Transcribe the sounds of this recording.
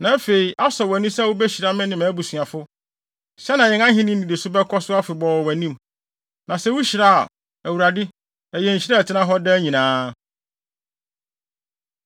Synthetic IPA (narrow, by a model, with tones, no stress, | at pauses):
nã˨˦fe˨i˨ʔa˦sɔ˨wæ˨nĩ˦sɛ˦˨wʊ˦bæ˦ɕi˨ɾa˦mɪ̃˦nɪ̃˨mã˨˦bu˨sɥã˨fʊ˦ | ɕɛ˦nã˨jɛ̃˨ŋã˦ɦɪ̃˦nɪ̃˦nĩ˨de˨sʊ˦bɛ˦kʰɔ˦sʊ˦a˦fɪ˨bɔ˨wæ˨nĩ˦m | nã˨sɛ˦wʊ˦ɕi˨ɾa˦a̰˨ | æ˨wu˨ɾa˨dɪ˦ | æ˨jɛ˨ɲ̩˨ɕi˦ɾɛ˦˨tʰɪ˦nã˦ɦɔ˦dɛ˦ɲĩ˨nãː˦